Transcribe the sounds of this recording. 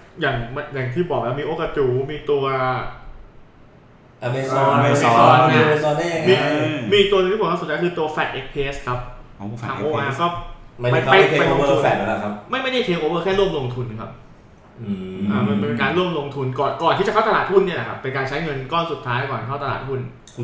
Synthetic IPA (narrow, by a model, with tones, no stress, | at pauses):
jaː˨˩ŋma˧jaː˨˩ŋt̪ʰiː˥˩bɔː˨˩k̚lɛː˦˥˩miː˧ʔoː˧ka˧t͡ɕuː˨˩miː˧t̪u˧ɐ | ʔa˧me˧ɔː˧meː˧sɔː˧˥a˥e˧sɔː˧n˥˨miː˧mi˧i˨kt̪u˧n˧ŋʰiː˥˩˨kːaː˦˥˨a˧˥kʰɯː˧t̪u˧ɐfɛː˨˩t̪̚ʔe˦˥k̚pʰiː˧ʔe˦˥skʰa˦˥p̚ʰː | aː˧ŋʔoː˧ʔaː˧kɔː˥˩m˧a˥˩˦a˧ja˧jo˧fɛ˨˩a˧a˧˩k̚ʰma˥˩jma˥jda˥˩jk̪ʰeː˧ʔoː˧wɤː˥˩kʰɛː˥˩lu˥˩əmlo˧ŋt̪ʰu˧nkʰa˦˥p̚ | ʔɯ˩ʔaː˧˩ma˧npe˧nkaː˧nlu˥˩əmlo˧ŋt̪ʰu˧nkɔː˨˩nkɔː˨˩nʰiː˥˩t͡ɕa˨˩kʰa˥˩t̪a˧aː˨˩t̪̚hu˥˩nːi˥˩ɐla˨˩kʰa˦˥pːe˧nkaː˧nt͡ɕʰa˦˥jŋɤ˧nkɔː˥˩nsu˨˩t̪ʰːaː˦jkɔː˨˩nʰa˨˩kʰa˥˩t̪a˧l̰a̰ː˨˩t̪̚ʰu˥˩n